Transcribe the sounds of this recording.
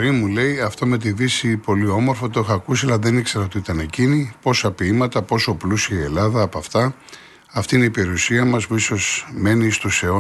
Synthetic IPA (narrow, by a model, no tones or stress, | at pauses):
ɾimule̞jɐft̪o̞me̞t̪̬iðisipo̞lio̞mo̞ɾfot̪o̞exɐːkusiɐlɐðe̞nikse̞ɾɐo̞t̪iit̪ɐne̞cinipo̞sɐpiimɐt̪ɐpo̞so̞plusiɐie̞lɐðɐːpɐft̪ɐ | ɐft̪iine̞ipe̞ɾiusiɐmɐspuiso̞zme̞nist̪useo